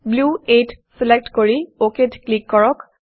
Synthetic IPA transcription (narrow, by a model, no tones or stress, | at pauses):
bluetsilek̚ʈkoɹioketklikːɔɹɔk